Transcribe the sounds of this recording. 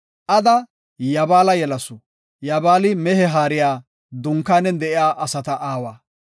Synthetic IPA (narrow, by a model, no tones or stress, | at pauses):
ʔɐd̪ɐ | jɐbaːlɐjɛlɐsʊ | jɐbaːlɪmɛhɛɦaːɾɪjaː | d̪ʊŋkːaːnɛd̪ɛʔɪjaːʔɐsɐt̪ɐʔaːwaː